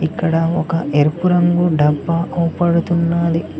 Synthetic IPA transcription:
ikːɐɽɐɔkɐʔeɾupuɾɐŋɡuɖɐbːɐɐwupɐɽut̪unːaːd̪i

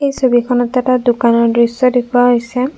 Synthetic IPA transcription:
ejsobikʰɔnɔtɛtadʊkanɔɹdɹisːɔdekʰʊwaɦojsɛ

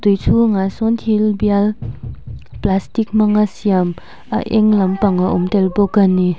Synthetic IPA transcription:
tujtʰuŋasɔntʰilbial | plastik̚maŋasijam | a̰ʔeŋlampaŋaʔɔmtelbɔkanːi

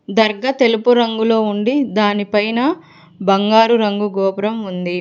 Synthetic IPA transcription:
d̪ɐɾɡɐt̪e̞lupuɾɐŋɡulo̞ːuɳɖid̪aːnipɐjnɐ | bɐŋɡaːɾuɾɐŋɡuɡɔːpɾɐmund̪i

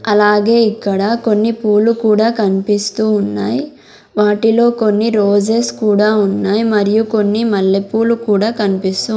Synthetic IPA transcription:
ɐlaːɡe̞ːikːɐɽɐko̞nːipuːlukuːɽaːkɐnipist̪uːunːaːji | ʋaːʈilo̞ːko̞nːiɾoːd͡ʒeːskuːɽaːunːaːjimɐɾijuko̞nːimɐɭːepuːlukuːɽaːkɐnipist̪uː

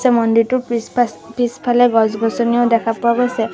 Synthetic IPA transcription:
sɛmɔnditʊ | pispʰalɛɡɔzɡʱɔsɔniɔʊdɛkʰapɔɹaɡojsɛ

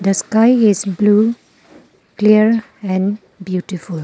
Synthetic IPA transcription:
d̪əskaɪizblu | kliəɾ | ɛ̃n | bjuʈiful

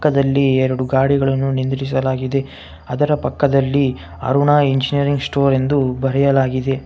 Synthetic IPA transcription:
kːɐd̪ɐlːiɛɾɐɽuɡaːɽiɡɐɭɐnːunind̪ɾis̬ɐlaːɡid̪e̞ | ɐd̪ɐɾɐpɐkːɐd̪ɐlːi | ɐ̰ɾuɳaiɲd͡ʒinijɐɾiŋɡsʈoːɾe̞nd̪ubɐɾɛjɐlaːɡid̪e̞

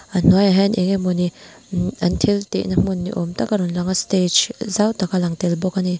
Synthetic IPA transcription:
ʔan̥ɔjaɦɛnʔɛŋemuni | ant̪ʰilt̪ḛʔnam̥unːḭʔɔmt̪akaɾɔnlaŋast̪ed͡ʒzawt̪akalaŋt̪ɛlbɔkani

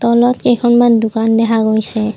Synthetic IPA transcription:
t̪ɔlɔtkekʰɔnmandʊkandɛkʰaɡojsɛ

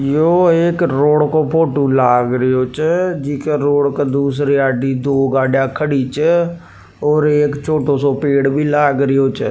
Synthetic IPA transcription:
joːɪkɾoːɽkoːpʰoːʈuːlaːɡɾəjoːt͡ʃd͡ʒiːkɾoːɽkd̪uːsɾeːaːɖiːd̪oːɡaːɖjãːkʰəɽiːt͡ʃ | ɔːɾeːkt͡ʃʰoːʈʰoːsɔːpeːɽbiːlaːɡɾəjoːt͡ʃ

